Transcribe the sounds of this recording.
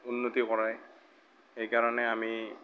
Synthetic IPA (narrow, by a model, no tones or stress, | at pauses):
unːot̪ikɔɹaj | ejkaɹɔnɛami